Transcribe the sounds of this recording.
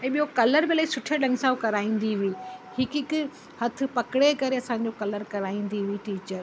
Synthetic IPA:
ɛ̃ːɓijokɐləɾmẽlːisʊʈʰəɗɐ̃ŋɡsaːkɐɾaːĩːn̆d̪iʋiːhɪkɪk | hɐt̪ʰɪ̆pɐkɪɽekɐɾeɐsãɲ̆d͡ʑokɐləɾkɐɾaːĩːn̆d̪iʋiʈiːt͡ɕəɾ

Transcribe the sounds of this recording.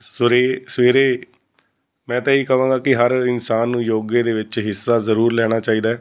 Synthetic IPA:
sɾeːsʋeːɾeː | mɛ̃ːt̪ãːiːkəʋãːɡaːkɪɦəɾɪnsaːnːũːjoːɡeːd̪eːʋɪt͡ʃɦɪsːaːzəɾuːɾlɛːɽ̃aːt͡ʃaːiːd̪aːɛː

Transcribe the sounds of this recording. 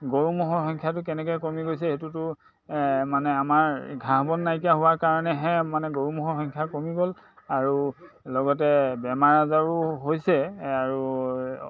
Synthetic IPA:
ɡoɹumɔɦɔxɔŋkʰjat̬ʊkɛnɛk̬ɔjkomiɡojs̬ɛetutʊ | manɛamaɹɡʱaɦbɔnːajkijaɦʊwaɹkaɹɔnɛɦɛ̃manɛɡoɹumɔɦɔxɔŋkʰjakomiɡol | aɹu | lɔɡɔtɛbɛmaɹazaɹuɦojsɛaɹu

